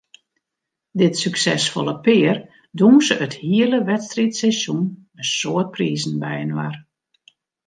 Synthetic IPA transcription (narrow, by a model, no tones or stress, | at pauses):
dɪtsyksɛsfɔlˠəpɪːr | dumsəʔəthiələʋɛtstritsɛsun | ənsoət̚priːzn̩bɛjənʋar